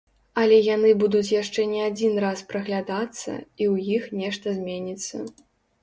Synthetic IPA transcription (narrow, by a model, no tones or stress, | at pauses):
ɐlʲɛjanɨbud̪ut͡sʲjaʂt͡ʂɛnʲɛad͡zʲinraspɾɐɣlʲad̪at̪sːɐ̰iwjixnʲɛʂt̪ɐzʲmʲenʲit̪sːɐ̰